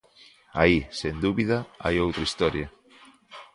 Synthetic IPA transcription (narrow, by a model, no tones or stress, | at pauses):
aisend̪uβiðɐa̰jowt̪ɾɐist̪ɔɾja